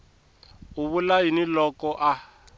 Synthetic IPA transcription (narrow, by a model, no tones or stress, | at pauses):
uβulainilɔkɔʔa